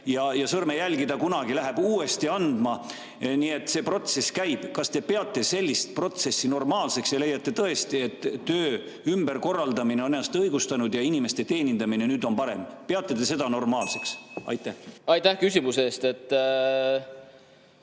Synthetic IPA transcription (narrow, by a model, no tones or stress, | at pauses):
jɑjɑsɤrmejælɡid̪ɑkunɑɡ̥ilæɦebuːe̞st̪iɑnd̪mɑ | niːe̞t̪ːˑse̞ːpro̞t̪se̞skæjb̥kɑst̪e̞pe̞ɑt̪ːˑe̞se̞lʲːist̪̚pro̞t̪se̞sːino̞rmɑːlse̞ksjɑle̞jɑt̪ːe̞t̪ɤe̞st̪ie̞t̪ːøː | ymb̥e̞rko̞rːɑld̪ɑmineoneɑst̪ɤjɡ̥ust̪ɑnud̪jɑinime̞st̪e̞t̪e̞ːnʲind̪̥ɑmine̞nyːd̪̥o̞npɑɾe̞̰mpe̞ɑt̪ːˑe̞d̪e̞se̞d̪ɑno̞rmɑːlse̞ksɑ̰jt̪ːˑæhɑjt̪ːæhkysʲimuseːst̪et̪ː